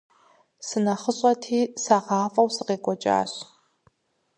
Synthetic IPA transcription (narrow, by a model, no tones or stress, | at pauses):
sɨnɐχəɕʼɐtʰiːsaːʁɑːfʼɐwsɨqeːkʷʼɔt͡ʃʼa̰ːɕ